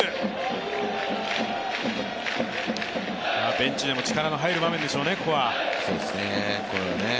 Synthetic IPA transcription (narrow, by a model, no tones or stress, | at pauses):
maːbẽ̞ɲt͡ɕid̪e̞mo̞t͡ɕi̥kaɾano̞ɦaiɾɯ̟bamẽ̞nd̪eɕo̞ːnekoβasoːd̪esnekoɾene